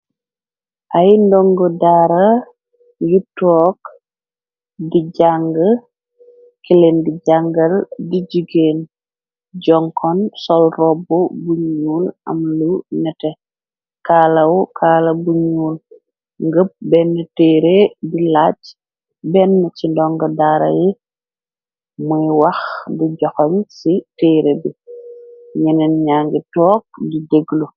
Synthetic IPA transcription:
ʔɐjndɔŋɡɔdaːɾa | jutɔk | diɟaŋɡə | kilendiɟaŋɡɐldid͡ʒiɡen | ɟɔŋkʰɔnsɔlrɔbɔbuɲuːnʔɐ̰mlunɛtɛ | kaːlɐwukʰaːlɐbuɲuːl | ŋɡəp̚bɛnːɛteːɾedilaːt͡ʃ | bɛnːɛt͡ʃindɔŋɡɐdaːɾɐ̰ji | muiwɐxdiɟɔxɔɲsitɛːɾebi | ɲɛnɛnɲaːŋɡitɔːk̚dideɡlu

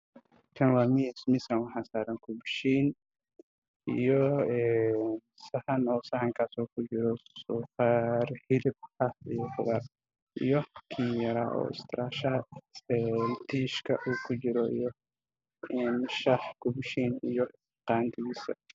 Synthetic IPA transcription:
kʰɐnwaːmismɪsɾɐnwɑħɑːsaːɾɐŋkʰʊbʃiːn | ijɔɛːn | sɐhɐnɔːsɐhɐŋkʰaːsɔːkʰʊt͡ʃɪɾɔsɔːfɑrhɪlɪb̚ħɐfḭjɔħʊðɐr | ʔḭjɔkʰiːjɐɾaːʔɔ̰ːɪ̰st̪ʰɪɾaːʃɐɛnt̪ʰiːʃkʰɐʔuːkʰʊt͡ʃɪɾɔḭjɔ | ɛːnʃɐħkʰʊbʃiːnijɔ | qɑːnt̪ʰɪɣiːsɐ̰

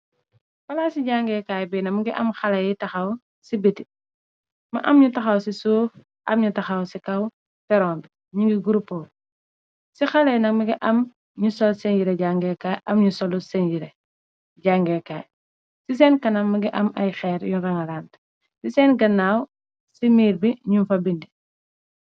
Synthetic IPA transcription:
fɐlaːsiɟaːŋɡekaːjbɛnɐmɐɡiʔɐmxɐlɐjitɐxaw | sibeti | mɐʔɐmɲutɐxawsisoːf | ʔɐ̰mɲutɐxawsikɐw | feɾɔːmb | ɲiŋɡiɡuɾupoː | sixalɐjnɐŋmɐɡiʔɐm | ɲusɔlsenɟiɾeɟaŋɡekaːʔɐmɲusolusenɟiɾe | ɟaŋɡekaːj | sis̬enkɐnaŋmiɡiʔɐmɐ̰jxɛːɾjunɾɐŋaɾaːnt | siseːnɡɐnːaːw | simiːɾbiɲunfabindi

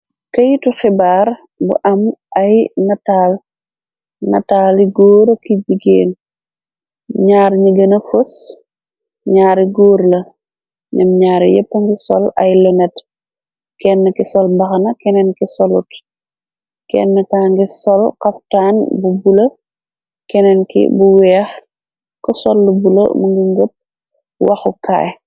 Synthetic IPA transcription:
kɐjtuxibaːɾ | bṵʔɐmʔɐjnɐtaːl | nɐ̰taːliɡoːɾkiɟiɡḛːn | ɲaːɾɲɐɡɐnɐfus | ɲaːɾiɡoːɾlɐ | nɛmɲaːɾ̰jɛ̰pːəŋɡisɔ̰lɐjlɔnɛt | kɛnːəkisɔlmbɐxɐnɐkɛnɛnkisɔlṵt | kɛ̰nːəkaːŋɡisɔlkɐp̚taːnbubulɐ | kɛnɛnkḭbuwɛːx | kɔsɔlːubulɐ̰muŋɡiŋɡop̚ | wɐxuka̰ːj

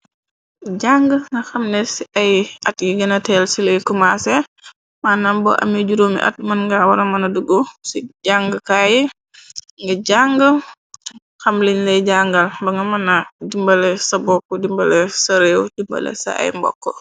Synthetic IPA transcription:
ɟaŋɡəŋɐxɐmnɛsiʔɐjɐtjiɡɐnɐtɛlsiləjkumasɛ | manːabɔ̰ʔɐ̰mɛd͡ʒuɾoːmḭʔɐ̰t̚mɐnŋɡawɐɾɐmɐnɐduɡosiɟaŋɡəkaji | ŋɡɐɟaŋɡə | xɐmlinlɛjɟaŋɡɐlbɐŋɡɐmɐnadimbɐlɛsɐbɔkːɔdimbɐlɛsɐɾewdimbɐ̰lɛ̰sa̰a̰jmbɔ̰kːɔ

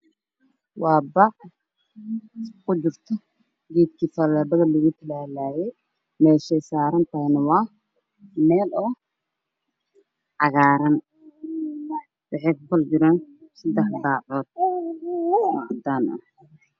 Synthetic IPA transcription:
wɑːbaːq | kʊd͡ʒɪrt̪ʰɔ | ɡɛːd̪kʰiːfɐlɛːbɐɣɐlɐɣut̪ʰɪlaːlaːjɛj | mɛːʃɛjsaːɾɐnt̪ʰaːnɐwɑː | mɛːlɔ | ʕɑɣaːɾɐn | bɪʕɪt̪̚bɐld͡ʒɪɾaːnsɐd̪ɛħbaːʕɔːd̪̥̚ | ɑd̪aːnʔɐ̰

